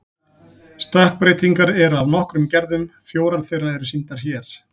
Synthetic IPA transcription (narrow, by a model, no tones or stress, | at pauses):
st̪ahk̚pɾeːjt̪iŋkaɾɛɾavnɔhkɾʏmcɛɾðʏmfjoːwɾanθejrːaðɛɾʏsint̪aɾ̥çjɛɾ̥